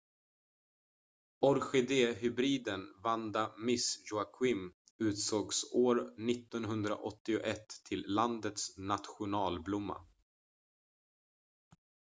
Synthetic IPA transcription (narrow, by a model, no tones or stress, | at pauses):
ɔɾɧɛd̪eːɦʏbɾiːd̪ənvand̪amɪsjʊakʰwɪm | ʉ̟ːt̪soːɡsoːɾnɪt̪ːɔnɦɵnd̪ɾa̰ʔɔt̪ːɪʊʔɛt̪ʰːɪlːand̪ət̪snat̪ɧʊnɑːlblʊmːa̰